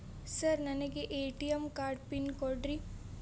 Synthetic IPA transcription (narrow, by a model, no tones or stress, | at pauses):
səɾnɐnekeʔeːʈijəmkaːɾɖ̚pinkɔɖɾi